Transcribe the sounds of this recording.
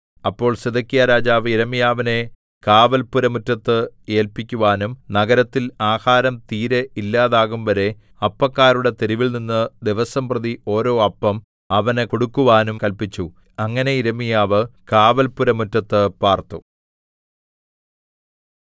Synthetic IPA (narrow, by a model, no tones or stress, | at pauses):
ɐpːo̞ːɭseðɐkːijɐɾaːd͡ʑaːʋiɾɐmijaːʋine̞ | kaːʋɐlpuɾɐmutːɐt̪ːɨe̞ːlpikʲːuʋaːnumnɐɡɐɾɐt̪ːilaːhaːɾɐmt̪iːɾeilːaːðaːɣumʋɐɾe̞ | ɐpːɐkːaːɾuɽe̞t̪eɾiʋilninːɨd̪iʋɐsɐmprɐðio̞ːɾo̞ːɐpːɐm | ɐʋɐnekoɽukːuʋaːnumkɐlpit͡ɕːu | ɐŋːɐne̞iɾɐmijaːʋɨkaːʋɐlpuɾɐmutːɐt̪ːɨpaːrt̪u